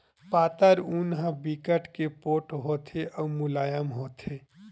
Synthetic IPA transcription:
paːt̪əɾunɦə̃bikəʈkepoːʈɦoːt̪ʰeʔɔːmʊlaːjəmɦoːt̪ʰeː

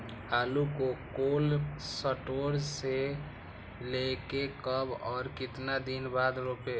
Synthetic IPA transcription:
ɦaːlukokolsəʈoɾse | lekekəbɔːɾkɪt̪nad̪inbad̪ɾope

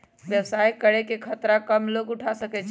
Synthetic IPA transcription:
ʋjəwsajkəɽekekʰət̪ɾakəmloɡuʈʰasəkɛt͡ʃʰ

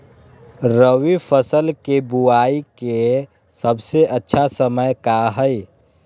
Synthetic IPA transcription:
ɾəʋifʰəsəlkebuaːike | səbseʔətːʃʰasəməjkaɦəi

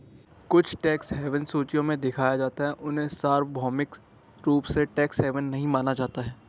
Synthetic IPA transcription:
kʊt͡ʃʰʈɛːksɦɛːʋənsuːt͡ʃijõmẽd̪ɪkʰaːjad͡ʒaːt̪aɦɛʔʊnɦẽsaːɾbʱɔːmɪk | ɾuːpseʈɛːksɦɛːʋənːɐɦĩmaːnad͡ʒaːt̪aɦɛː

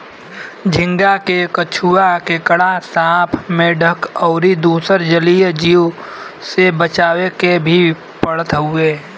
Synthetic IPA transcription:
d͡ʒʱɪ̃ŋɡakekət͡ʃʰuakekəɽasaːpʰmẽɖʱəkɔːɾid̪uːsəɾd͡ʒəlid͡ʒio | sebət͡ʃaːwekebʱi | pəɽət̪ɦʊeː

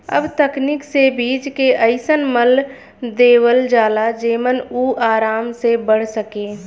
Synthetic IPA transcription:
ə̰bt̪əknɪksebiːd͡ʒkeʔəɪsənməl | d̪eːwəld͡ʒaːlad͡ʒeːmənuːʔaːɾaːmsebəɽ̤səkeː

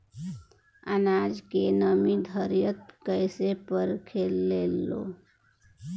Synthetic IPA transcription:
ə̰nad͡ʒkenəmid̪ʱəɾjət̪̚kəɪsepəɾkʰelelːo̰

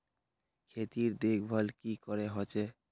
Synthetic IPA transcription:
kʰet̪iɾd̪ekʰbʱəlkikɔɾeɦɔt͡ʃe

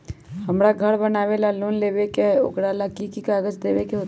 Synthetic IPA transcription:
həmɾaɡʱəɽbənaːʋelaloːnleːʋekeo̰kɽalakikikaːɡəd͡ʒd̪eːʋekeɦoːt̪

